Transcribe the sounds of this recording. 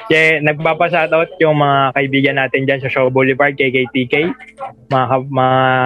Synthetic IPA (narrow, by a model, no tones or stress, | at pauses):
ʃɛnɐɡ̚paːpɐs̬aːt̪ɐʔot̪̚jʊŋmɐŋakɐʔɪbiːɡɐnːaːt̪ɪnd͡ʒansɐʃobolɪpaɹd̪̚kɐjkɐjt̪ikɐjmɐŋakɐmɐŋa